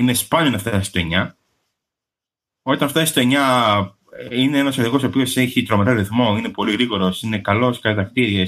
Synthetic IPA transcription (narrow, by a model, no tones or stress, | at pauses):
inespɐnionɐft̪ɐst̪e̞ɲɐ | o̞t̪ɐnɐft̪ɐst̪eɲɐ | ineenɐsɐðiko̞opio̞seçit̪ɾo̞meɾɐɾiθmo̞ine̞po̞liɣɾiɣo̞ɾo̞sine̞kɐlo̞skɐlet̪ɐkt̪iɾies